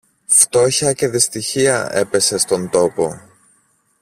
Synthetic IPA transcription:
ft̪o̞çɐce̞ðist̪içiɐe̞pe̞se̞st̪o̞nt̪o̞po̞

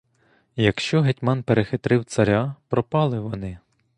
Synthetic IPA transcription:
jɐkʃt͡ʃɔɦetʲmɑnpeɾexɪt̪ɾɪwt̪sɐɾʲapɾɔpɑlˠɪʋɔnɪ

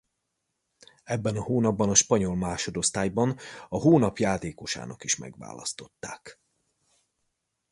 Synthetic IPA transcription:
ɛbːɛnɒhoːnɒbːɒnɒʃpɒɲo̞lmaːʃo̞d̪o̞st̪aːjbɒnɒɦoːnɒpjaːt̪eːko̞ʃa̰ːnɒkiʃmɛ̰ɡʋa̰ːlɒ̰st̪o̞̥t̪ːaːk

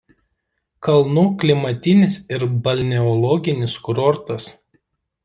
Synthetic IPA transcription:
kɐlˠnuːklʲɪmɐt̪ʲɪnʲɪsɪɾbɐlʲnʲɛɔlˠɔɡʲɪnʲɪskʊɾɔɾt̪ɐs

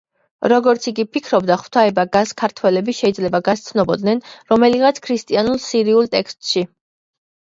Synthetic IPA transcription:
ɾɔɡɔɾt̪sʰiɡipʰikʰɾɔbd̪aχw̥t̪ʰaɛbaɡaskʰaɾt̪ʰwɛlɛbiʃɛid̪zlɛbaɡast̪sʰnɔbɔd̪nɛnɾɔmɛliʁat̪sʰkʰɾist̪ʼianulˠsiɾiulˠt̪ʼɛkst̪ʼʃi

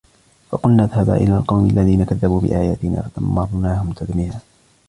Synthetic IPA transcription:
fɑqʊlnaðhaba̰ʔɪ̰laːlqɑwmʔalːaðiːnakaðːabuːbɪ̰ʔaːjaːt̪ɪna̰ːfat̪amːɑɾˤnaːhʊmt̪ʰad̪mɪhaː

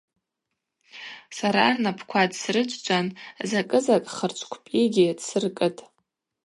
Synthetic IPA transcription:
saɾaːrnapʰkʷʰadsrɨd͡ʒʷʼd͡ʒʷʼanzakʼɨzakʼχərt͡ʃʷʰʼkʷʰpʼiɡʲidsɨrkʼɨtʼ

